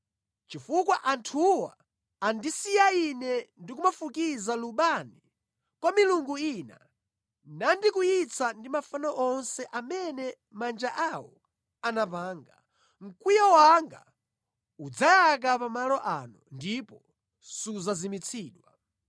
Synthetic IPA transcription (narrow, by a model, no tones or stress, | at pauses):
t͡ʃifukwaʔantʰuwa̰ː | ndisijainɛndik̬umafukizaluɓani | kwamiluŋɡuina̰ | nandikuit͡sʰandimafanaʔɔnsɛʔamɛnɛ | mand͡ʒaʔawɔ̰ | anapaːŋɡa | ŋ̩kujawaŋɡa̰ | ud͡zajak̬apamalɔʔanundipɔ | suzazimit͡sʰiːɗwa